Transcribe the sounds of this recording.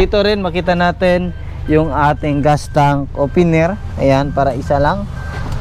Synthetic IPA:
iːt̪oɾɪnmɐkiːt̪̬ɐnaːt̪ɪn | jʊŋaːt̪ɪŋɡast̪aŋkopɪnɛɾ | ʔɐjanpaːɾɐʔɪsalaŋ

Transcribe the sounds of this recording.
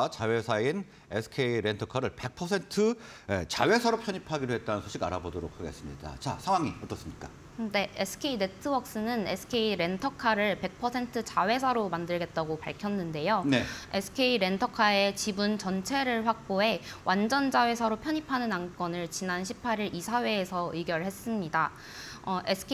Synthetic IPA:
t͡ɕawe̞sʰain | esʰɯ̥kʰeiɾentʰʌkʰaɾɯɭpe̞k̚pʰʌsʰe̞ntʰɯḛt͡ɕawe̞sʰaɾopʰjʌɲipʰaɡiɾoɦe̞t̚t͈anɯnsʰoɕʰiɡa̰ɾabodoɾo̰kʰaɡe̞s͈ɯmɲida̰t͡ɕa̰sʰaŋwaŋiʌt͈ʌs͈ɯmɲik͈a | ne̞esʰɯ̥kʰe̞ine̞tʰɯwʌk̚s͈ɯnɯnesʰɯ̥kʰe̞iɾe̞ntʰʌkʰaɾɯɭpe̞k̚pʰʌsʰe̞ntʰɯt͡ɕawe̞sʰaɾomandɯɭɡe̞t̚t͈aɡopaɭkʰjʌnːɯnde̞joneesʰɯ̥kʰe̞iɾe̞ntʰʌkʰae̞t͡ɕibunt͡ɕʌnt͡ɕʰe̞ɾɯɭɸwak̚p͈oe̞wʔand͡ʑʌnd͡ʑawe̞sʰʌɾopʰjʌɲipʰanɯnaŋk͈ʌnɯɭt͡ɕinanɕʰi̥pʰːaɾiɾʔisʰawe̞ːsʰʌɯiɡjʌɭhe̞s͈ɯmɲida | ʌʔesʰkʰ

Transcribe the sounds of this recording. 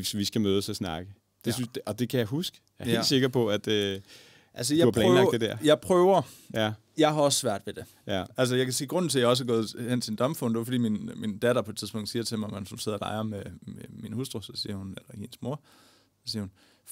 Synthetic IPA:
sʋisɡ̥æmøːð̞ˠəsɒsnɑ̈ɡ̥ə | d̥e̝syn̥ɒ̽d̥e̝kʰæjɑ̈ɦusɡ̥əjɑhlse̝ɡ̥ɐpʰɒ̽æd̥e | ʔæls̬əjɑ̈ɐpʰlɛnlɑɐd̥ed̥æɐ̰jɑ̈ɪpʰʁœːʊɐ | jɑ̈ɪɦɑ̈ɒ̽ssʋæɐ̰d̥ʋe̝d̥e̝ | æls̬əjɑ̈kʰæsḭːɡ̥ʁɔ̽n̰n̩t͡sʰe̝ljɑɒ̽s̬ɡ̥ɔːð̞̩ˠhen̰t͡sʰind̥ɒ̽mfɔn̰d̥e̝ʊɐfɒ̽d̥ḭːminmind̥æd̥ɐpʰɒ̽e̝̥t͡sʰiðˠsb̥ŋd̥siːɐ̥t͡sʰe̝mmhænsunse̝ð̰ˠɐlɑ̈ɪɐmememinhusd̥ʁosɒ̽sḭːɐhunelɐhinəsmo̝ɐ̰ | sɒsiːɐhun

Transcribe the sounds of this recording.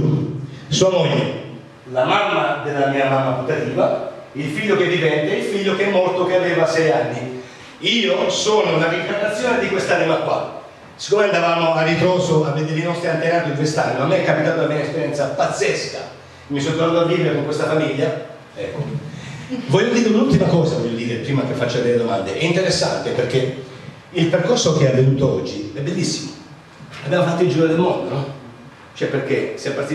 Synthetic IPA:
suːamɔʎːḛ | lamamːad̪elːamiːamamːaput̪ːat̪iːvailfiʎːokevːivɛnt̪eɛilfiʎːokɛmːɔrt̪okeaveːvasɛjanːi | iːosoːnonaɾiŋkanːat̪sːjoːned̪ikwest̪animakwa̰ | si̥kːomeand̪avaːmoaɾit̪ɾoːsoaved̪eɾinɔst̪ɾiant̪enaːt̪oiŋk̬west̪animamːeɛkːapit̪aːt̪olamiːaespeɾjɛnt̪sapat̪sːɛska̰ | mːisont̪ːeɾnuːt̪oavːiːveɾekoŋkwest̪afamiʎːa | ɛkːo | vɔʎːod̪iːɾeunult̪imakɔːzavɔʎːod̪iːɾepɾiːmak̟efːat͡ʃːoed̪ɛled̪omand̪ḛʔɛint̪eɾesːa̰nt̪eperk̟e | ilperkorsok̟eavːenuːt̪oɔd͡ʒːiɛbːelːisːimo | abjamofat̪ːoild͡ʒiːɾod̪elmɔnd̪onɔ | t͡ʃoɛpːerk̟esɛpːart̪i

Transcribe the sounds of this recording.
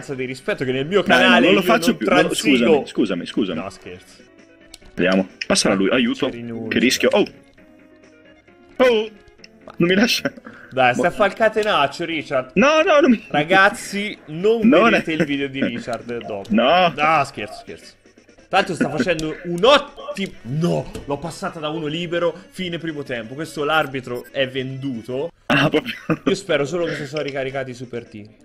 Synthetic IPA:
nt̪sad̪iɾispɛt̪ːokenːelmiːokanaːlneõnloifat͡ʃnːopuɾaskuːzaoiskuːzamiskuːza̰mnɔ̰sk̟eɾt̪s | vd̪ja̰ːmopasːaɾalujʔajuːt̪oɾinukerːisk̟joʔo | o | manomːilaʃːad̪ajsafːailkat̪enat͡ʃːoɾit͡ʃard̪nɔnɔnomiraɡat̪sːinonnat̪eilviːd̪eod̪iɾit͡ʃard̪d̪ɔpnɔask̟eɾt̪so̥sk̟ḛrt̪so̥ | t̪ɾaalt̪ɾost̪afːat͡ʃɛnd̪ounɔt̪ːimnɔlɔpːasːaːt̪ad̪auːnoliːbeɾofiːnepɾiːmot̪ɛmpokwest̪olarbit̪ɾoɛvːend̪uːt̪o | apɔpiospɛːɾos̬oːlokesos̬ɔɾikaɾikaːt̪̬isupːert̪i

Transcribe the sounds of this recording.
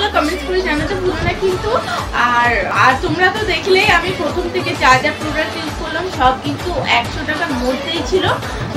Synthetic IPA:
lakɔmeɳʈskoɾed͡ʑanat̪ebʱolonakint̪uaɾaɾt̪omɾat̪od̪ekʰlejamipɾot̪ʰomt̪ʰeket͡ɕad͡ʑaɾpɾobɾaɾʈeskoɾlamʃɔb̚kint̪uɛkʃoʈakaɾmoɾd̪ʱejt͡ɕʰilo

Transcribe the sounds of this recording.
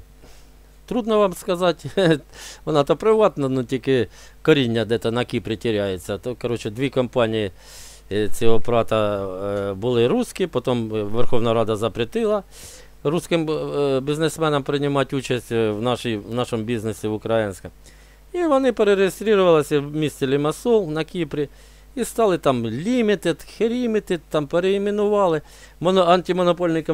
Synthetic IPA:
t̪ɾud̪nɔʋamskɐzɑtʲ | ʋɔnɑt̪ɔpɾɪʋɑt̪nɐnutʲikɪ | kɔɾʲinʲːɐd̪ɛt̪ɐnɐkʲipɾʲɪtʲɪɾʲajɪt͡sʲːɐt̪okɐɾɔt͡ʃɪd̪ʋʲikɐmpɑnʲijɪ | t͡sʲiopɾɑt̪ɐ | bʊlˠɪɾuskʲipɔt̪omʋerxoʋnɐɾɑd̪ɐzɐpɾʲɪt̪ɪlˠɐ | ɾuskɪmbʲiznesmɛnɐmpɾɪnʲɪmɑtʲut͡ʃɐsʲtʲʋnɑʃijʋnɑʃɔmʊbʲiznesʲiʋʊkɾɐjɪnʲsʲkɐ | iʋɔnɪpeɾeɾejest̪ɾʲiɾʊʋɐlˠɐsʲɐwmʲisʲt͡sʲɪlʲɪmɐsɔlˠnɐkʲipɾʲɪ | ist̪ɑlˠɪt̪ɑmlʲimʲit̪ɪd̪xeɾʲimʲit̪ɪd̪̚t̪ɑmpeɾeimɪnʊʋɑlˠɪ | mɔnɔɐnʲtʲimɔnɔpɔlʲnɪkɐ

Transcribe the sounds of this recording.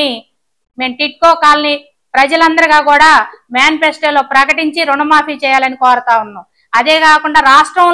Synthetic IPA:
i | me̞ːmʈiʈ̚koːkaːlɐni | pɾɐd͡ʒɐlɐnd̪ɐɾuɡaːkuːɽaːmjaːnpesʈelo̞ːpɾɐkɐʈiɲt͡ʃiɾuɳɐmaːpiːt͡ʃɛːjaːlɐnikɔːɾɐt̪aːunːum | ɐd̪e̞ːkaːkuɳɖaːɾaːʂʈɾɐm

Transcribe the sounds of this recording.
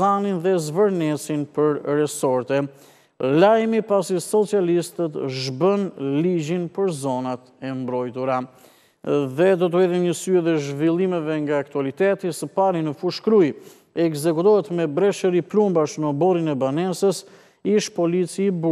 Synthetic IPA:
aninðɛzvəɾnɛsinpəɾɾɛsɔɾt̪ɛ | lajmipasisɔt͡sialist̪ət̪ʒbənlid͡ʑinpəɾzɔnat̪ɛmbɾɔjt̪uɾa | ðɛd̪ɔt̪̬ɛðimɲəsyɛðɛʒvilˠimɛvɛŋɡaːk̚t̪ualit̪ɛt̪isəpaɾinəfuʃkɾuj | ɛɡzɛkut̪ɔɦɛt̪mɛbɾɛʃəɾiplumbaʃnəbɔɾinɛbanɛsəs | iʃpɔlit͡sibu

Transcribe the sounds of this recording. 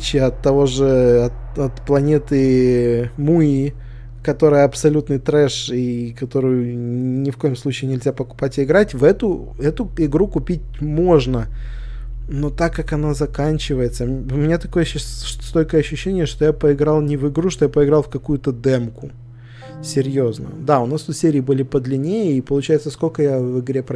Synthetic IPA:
t͡ɕɪɐt̪ːɐvo̞ʐɨɐt̪ | ɐt̪plˠɐnʲe̞t̪ɨ | mui | kɐt̪o̞ɾɨjəɐpsɐlʲut̪nɨjt̪ɾɛʂikɐt̪o̞ɾʊjʊnʲɪfko̞jɪmslˠut͡ɕɪːnʲɪlʲzʲapəkʊ̥patʲɪɪɡɾatʲvɛt̪ʊ | ɛt̪ʊɪɡɾukʊpʲit̚ʲmo̞ʐnə | no̞t̪akːakɐnazɐkanʲt͡ɕɪvəjɪt̪səʊmʲɪnʲat̪ɐko̞jəɕst̪olʲkəjəɐɕːʉɕːenʲɪjəʂt̪o̞japəɪɡɾɑlˠnʲɪvɪɡɾuʂt̪o̞japəɪɡɾɑlˠfkɐkujʊt̪əd̪ɛmkʊ | sʲɪɾʲjo̞znə̰d̪aʊnast̪ut̪sʲeɾʲɪːbɨlʲɪpəd̪lʲɪnʲejəipəlˠʊt͡ɕæjɪt̪səskolʲkəjavɨɡɾʲe̞pɾ

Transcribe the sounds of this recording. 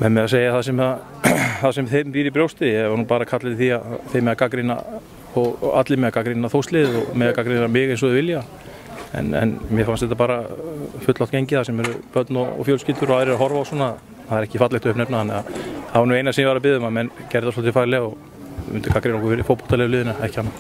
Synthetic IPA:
mɛnmɛðaseːjaθasɛmɛða | θaðsɛmθemviːɾɪpɾjowst̪ɪɛvaɾnuːpaːɾakʰat̪lɪɪθiaθejmɛðakakɾɪna̰ | ɔɣa̰t̪lɪmɛðakakɾinːaθowst̪lɪðɔɣmɛðakakɾinamɪːɣejns̬ɔðɪvɪlja | ɛ̰nɛ̰nmjɛfanst̪ɛt̪ːapaːɾafʏt̪lawht̪cejɲcɪθasɛmɛɾʏpœt̪nɔɔ̰fjowlscɪlt̪ʏɾɔaðɪɾɪɾaɦɔɾvaawsɔːnaː | θaðɛɾɛhcɪfat̪lɛht̪ʏhpnɛpnaθanːɛɣahavaɾnuejnasɛmjɛvaɾapɪðʏmamɛncɛɾðasfɔlt̪̬ːɪfaɾlɛɔɣ | mʏ̰nt̪ɪ̥kakɾinɔhkfɪɾɪfowpu̥t̪alɛːlɪːðɪnaɛhcɪ̥hanːa

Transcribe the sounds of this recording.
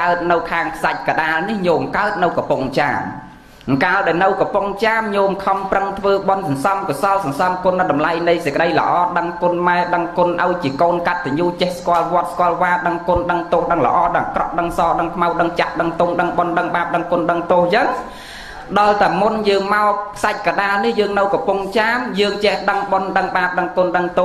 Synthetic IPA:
kaət̪̚nɨwkʰaːŋkʰsac̚kaɗaːlnihɲoːmkaət̪̚nɨwkɑpuŋt͡ɕa̰ːm | ŋkaːəlɗɔɛnɨwkɑpuŋt͡ɕaːmɲoːmkʰəmprəŋt̪ʰʋəːɓɑnsɑnsɑmkɔsɑlsɑnsɑmkoənːɨɗɑmlajnɨjsekə̆ɗəjlə̰̆ʔɑːɗəŋkʊ̆ənmaɛɗəŋkʊ̆ənʔaɔjt͡ɕiəkoːnkat̪̚ʰːɛɲuːt͡ɕɛhskŏəlʋŏət̪̚skŏəlʋaːɗəŋkʊnɗəŋt̪oːhɗəŋlə̰ʔɑːɗəkrɑʔ̚ɗəŋsɑːɗəŋkʰmawɗəŋt͡ɕaʔɗəŋt̪oːŋɗəŋɓonɗəŋɓaːp̚ɗəŋkoənɗəŋt̪oəːhjəːŋ | ɗɑlt̪aɛmunjəːŋmaɔpʰsac̚kaɗaːlnihjəːŋnɨwkɑpuŋt͡ɕaːmjəːŋt͡ɕɛhɗəŋɓonɗəŋɓaːp̚ɗəŋkonɗəŋt̪o

